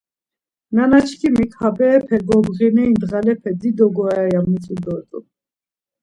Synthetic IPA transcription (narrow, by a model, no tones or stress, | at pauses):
nanat͡ʃʰkʰimikʰʼhabɛːpʰɛɡɔbʁinɛind̪ʁalɛpʰɛd͡z̪id̪ɔɡɔaɛjamut͡sʼud̪ɔt̪ʼṵ